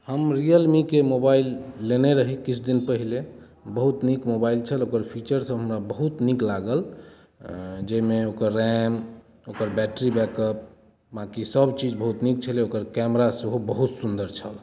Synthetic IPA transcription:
həmɾijəlmikemobailːeneɾəɦikit͡ʃʰd̪inpəɦile | bəɦut̪nikmobailt͡ʃʰəlokəɾpʰit͡ʃəɾsə̃ɦəmɾabəɦut̪niklaɡəl | d͡ʒəjmeokəɾːɛm | okəɾbɛʈɾibɛkəp̚ | bãkisəbt͡ʃid͡ʒbəɦut̪nik̚t͡ʃʰəleokəɾkɛmɾasəɦobəɦut̪sund̪əɾt͡ʃʰəl

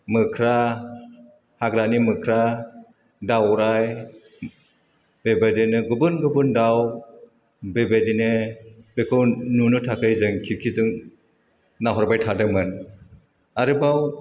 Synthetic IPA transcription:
mɯkʰɾa | haɡɾanimɯkʰɾa | dawɾaj | bebadenɯɡɯbɯnɡɯbundaw | bebedinɯbekʰɯwnunɯtʰakʰɯjzɯŋkʰikʰizɯŋ | naɦɔɾbajtʰadɯmɯn | aɾɯbaw

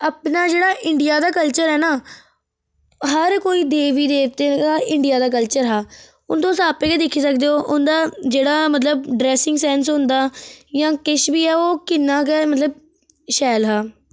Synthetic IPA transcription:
əːpnaːd͡ʒeːɽaːʔɪɳɖɪjaːd̪aːkəlt͡ʃəɾɦɛːnaː | ɦəɾkoːiːd̪eːʋiːd̪eːkt̪eːaːʔɪɳɖɪjaːd̪aːk̬əlt͡ʃəɾɦaː | ʊnt̪õːsãːpeːkeːd̪ɪkʰːiːsəkd̪eːoːʔʊnd̪aːd͡ʒeːɽaːmət̪ləb̚ɖɾɛːsɪŋɡsɛːns̬ɦʊ̃nd̪aːjãːkɪʃbiːɛːoːkɪnːãːkɛːmət̪ləb̚ | ʃɛːlɦaː

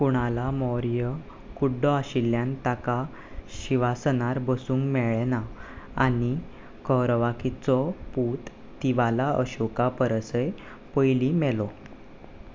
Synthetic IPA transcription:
puɽ̃alamɔɾjə | kuɖɔaɕilːjant̪aka | ɕiʋasənaɾbəsũːŋɡmɛɭɛnaani | kəɾʋakʰit͡sɔput̪ | t̪ːiʋalaə̰ɕukapəɾəsəj | pəjlimɛlɔ

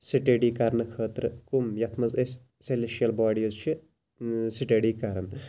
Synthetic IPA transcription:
siʈeːɖiːkɐɾnɨkʰəːt̪ɾɨkumjɐt̪ʰmɐzesʲ | seleʃɐlbaːɽiɐzt͡ʃʰi | siʈeːɽiːkɐɾɐn

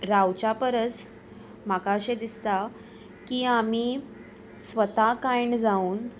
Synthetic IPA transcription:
ɾawt͡ɕapəɾət͡s | makaəɕed̪ist̪a | kiːam̤iː | sʋət̪akajɳd͡zauːn

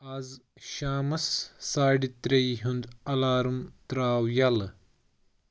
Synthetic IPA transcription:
ɐz | ʃaːmɐsːaːɖit̪ɾejɦund̪ɐlaːɾumt̪ɾaːwjɐl

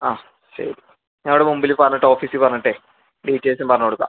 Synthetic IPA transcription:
aː | ɕɐ̰ɾi | ɲaːuɽemumbilipɐrɐɲːɐʈːɨo̞ːfiːsipɐrɐɲɐʈːe | ɖiːtːeːsumpɐrɐɲːoːɽukːa̰

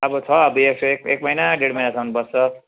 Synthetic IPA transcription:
ʌbʌt͡sʰʌʌbieksʌek̚ek̚mʌjnaɖeɽmʌjnasʰʌmʌnbʌst͡sʌ

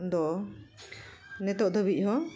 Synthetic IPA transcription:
d̪ɔ | nɛt̪ɔʔd̪əbiʔ̚ˀɦɔ

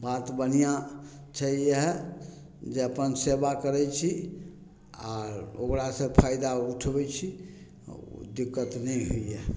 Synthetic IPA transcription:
bat̪bən̤ija | t͡ʃʰəjəɦ | d͡ʒeəpənsebakəɾɛt͡ʃʰi | a̰ɾokɾasə̃pʰajd̪auʈʰbɛt͡ʃʰi | d̪ikːət̪nɛɦojjɛ

